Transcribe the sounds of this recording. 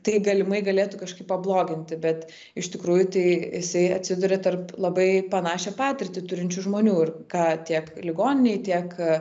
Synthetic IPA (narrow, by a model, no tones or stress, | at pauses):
t̪ɐɪɡɐlʲɪmɐɪɡɐlʲeːt̪ʊkɐʃkɐɪpɐblˠoːɡʲɪnʲt̪ʲɪbʲɛt̪ | ɪʃt̪ʲɪkɾuːjʊt̪ɐɪjɪsɐɪɐt̪ʲsʲɪd̪ʊɾʲɛt̪ɐrplˠɐbɐɪpɐnɑːʃʲɛpɑːt̪ʲɪrʲt̪ʲɪt̪ʊɾʲɪnʲt͡ʃʲʊʒmoːnʲuːɪrkɑːt̪ʲiɛklʲɪɡoːnʲɪnʲɛɪt̪ʲiɛk